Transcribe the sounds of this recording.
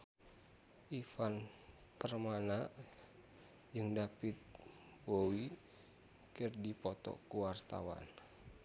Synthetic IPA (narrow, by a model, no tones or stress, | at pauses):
ʔifan | pərmana | d͡ʒɨŋdapit̪̚ | bowi | kɨrdipɔt̪ɔ̰kuwart̪a̰wa̰n